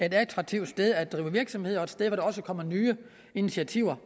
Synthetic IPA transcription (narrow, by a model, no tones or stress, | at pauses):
ee̝dælt͡sʰʁɑ̈ɡ̥̚t͡sʰiʊ̰d̥sd̥eð̞ˠæd̥ʁiːʊəʋiɐɡ̥sɒ̽mhe̝ð̞̰ˠɐɒ̽ed̥sd̥eðˠʋɒɾ̥ɑɒ̽səkʰɒ̽m̰ɐnyːə | init͡sʰiæt͡sʰiʊ̰ɐ